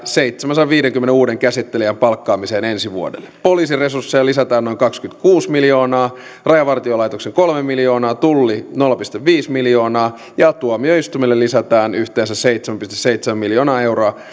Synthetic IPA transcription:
seit̪semænsɑʋʋiːɾeŋkymːeneuːdeŋkæsit̪ːeliæmpɑlkːɑːmiseːnensiʋuo̰dḛlːepoliːsiresursːejɑlisæt̪æːnːoiŋkɑkskynt̪kuːsmiljo̞ːnɑː | rɑjɑʋɑrt̪iolɑit̪okseŋkolmemiljo̞ːnɑːt̪ulːinolːɑpist̪eʋʋiːsmiljo̞ːnɑː | jɑt̪uomioist̪umelːelːisæt̪æːnyht̪eːnsæsseijt̪semæmpyst̪e̥seit̪semæmiljoːnɑːe̞wroɑ

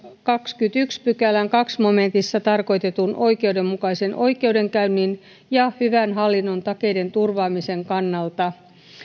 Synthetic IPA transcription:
kɑkskyt̪ykspykælæŋkɑksmome̞nt̪isːɑt̪ɑrko̞jt̪e̞t̪unʔo̞jke̞wde̞mːukɑisenʔo̞jke̞uwde̞ŋkæynːin | jɑhyʋænɦɑlːinːo̞nt̪ɑke̞jde̞nt̪urʋɑːmise̞ŋkɑnːɑlt̪ɑ

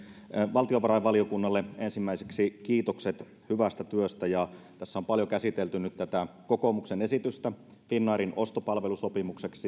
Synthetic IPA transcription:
ʋɑlt̪ioʋɑɾɑjʋɑliokunːɑlːeensimːæiseksikiːt̪okset̪ | hyʋæst̪æt̪yøst̪æjɑt̪æsːæo̞mpɑljokæsit̪elt̪ynyt̪t̪ːæt̪æko̞komuksene̞sit̪yst̪æ | finːɑːɾino̞st̪opɑlʋe̞luso̞pimukse̞ksi

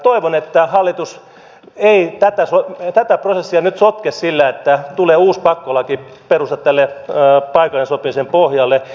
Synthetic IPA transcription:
t̪oiʋonet̪ːæhɑlːit̪us | eit̪æt̪æsot̪æt̪æprosesːiɑnyt̪sot̪kessilːæet̪ːæt̪uleːuːspɑkːolɑkiperust̪ɑt̪t̪ːælːepɑikɑlːensopimisempohjɑlːe

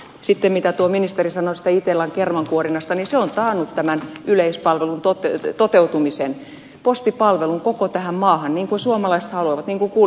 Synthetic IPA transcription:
sit̪ːemmit̪æt̪uominist̪erisɑnosi̥t̪æit̪elɑŋkermɑŋkuorinɑst̪ɑniseont̪ɑːnːut̪t̪æmænyleispɑlʋelunt̪ot̪et̪ot̪eut̪umisen | post̪ipɑlʋeluŋkokot̪æhæmmɑːhɑnniːŋkunsuomɑlɑise̥t̪hɑluɑʋɑt̪niːŋkuŋkuː

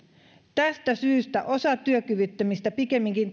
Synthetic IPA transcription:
t̪æst̪æsyːst̪æ̰ʔo̞sɑt̪yøkyʋyt̪ːømist̪æpike̞mːiŋkin

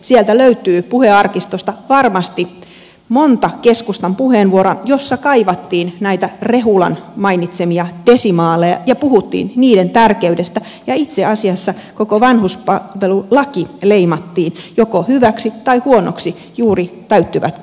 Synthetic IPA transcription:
siælt̪æløyt̪yːpuheɑrkist̪ost̪ɑʋɑrmɑst̪i | mont̪ɑkeskust̪ɑmpuheːnʋuoɾojosːɑkɑiʋɑt̪ːiːnnæjt̪ære̞ɦulɑ̰nmɑinit̪semiɑd̥esimɑːlːejɑ̰jɑpuhut̪ːḭːnniːdent̪ærkeydest̪æ | jɑit̪seɑsiɑsːɑkokoʋɑnhuspɑʋelulɑkileimɑt̪ːiːnjokohyʋæksit̪ɑihuonoksi | juːrit̪æyt̪ːyʋæ̰t̪

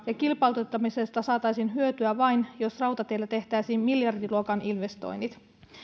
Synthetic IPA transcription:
jɑkilpɑlt̪et̪ːɑmisest̪ɑsɑːt̪ɑjsiːnɦyøt̪yæʋɑjnjo̞srɑwt̪ɑt̪e̞ilːæt̪e̞ht̪æjsiːmmiljɑrdiluokɑnʔinʋe̞st̪o̰jnːit̪

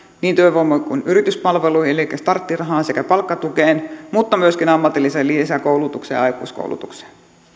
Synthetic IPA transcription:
niːnt̪øiʋomːoikunyɾit̪yspɑlʋeluielikːæst̪ɑrt̪ːirɑɦɑːnsekæpɑlkːɑt̪ukeːnmut̪ːɑmyøskinɑmːɑt̪ilːiselisækoulut̪uksḛj̰ɑjkṵːsko̰uwlṵt̪ukse̥ːn

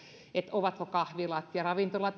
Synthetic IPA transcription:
et̪ʔoʋɑt̪kokɑhʋilɑt̪jɑrɑʋint̪olɑt̪

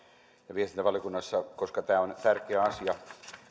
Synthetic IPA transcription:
ɑʋiest̪int̪æʋɑljokunːɑsːɑkoskɑt̪æːont̪ærkeæɑsiɑ

